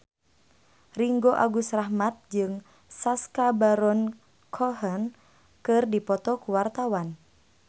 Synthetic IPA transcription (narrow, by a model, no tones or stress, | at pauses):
riŋɡoʔaɡusrahmat̪̚d͡ʒɨŋ | saskabaɾɔn | kʰɔɦən | kɨrdipɔt̪ɔkuwart̪awan